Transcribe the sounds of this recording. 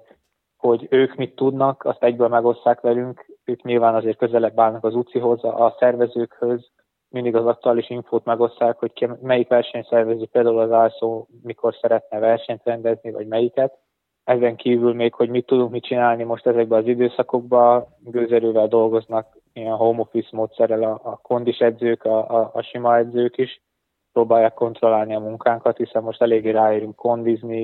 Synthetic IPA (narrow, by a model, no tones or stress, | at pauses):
ho̞ɟøːkmit̪ːud̪nɒkʰɒst̪ɛɟbøːlmɛɡo̞sːaːkʋɛlyŋkøːkɲilvaːnɒzeːrt̪̚kø̞zɛlɛbːaːnːɒkɒzut̪siɦo̞zʔɒsɛrvɛzøːkhø̞z | mind̪iɡɒzɒk̚t̪uaːliʃiɱfoːt̪mɛɡo̞sːaːkho̞ckmɛjikʋɛrʃɛɲsɛrvɛzøːpeːld̪aːulɒzaːlsoː | mikʰo̞rsɛɾɛt̪nɛvɛrʃɛɲt̪rɛnd̪ɛznivɒ̰ɟmɛjikɛt̪ | ɛzɛŋkiːvylmeːkho̞ɟmit̪ːud̪uŋkmit͡ʃinaːlnimo̞ʃt̪ɛzɛɡ̚bɛɒzid̪øːsɒko̞ɡ̚bɒ | ɡøːzɛɾøːvɛld̪o̞lɡo̞znɒk | ijɛnɦoːmo̞fismoːt̪sɛrːɛlɒːko̞nd̪iʃɛd̪zøːkɒːʃimɒɛd̪zøːkiʃ | pɾoːbaːjːaːkːo̞nt̪ro̞laːlniɒmuŋkaːŋkɒt̪hisɛmːo̞ʃt̪ɛleːɡːeːɾaːjiɾyŋkːo̞nd̪izni